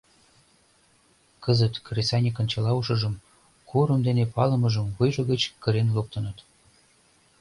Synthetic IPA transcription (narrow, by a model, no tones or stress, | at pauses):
kəzət̪kresɑnʲekə̆nt͡ɕɑlɑuʃɤ̆ʒə̆m | kʰuɾəmd̪enepɑlə̆məʒəmβujʒɤɣət͡ɕkəɾenlop̚t̪ənət̪